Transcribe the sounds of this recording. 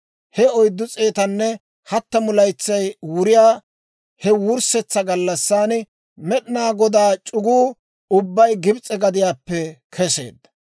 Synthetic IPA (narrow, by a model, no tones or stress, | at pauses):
hɛɔjd̪ːʊt͡sʼeːt̪ɐnːɛ | hɐt̪ːɐmʊlɐjt͡sːɐjwʊɾɪjaː | hɛwʊɾsɛt͡sːɐɡɐlːɐsːaːnɪ | mɛɗɪnaːɡɔd̪aːt͡ʃʼʊɡuː | ʊbːɐjɡɪbt͡sʼːɛɡɐd̪ɪjaːpːɛkʰɛse̞̰ːd̪ːɐ̥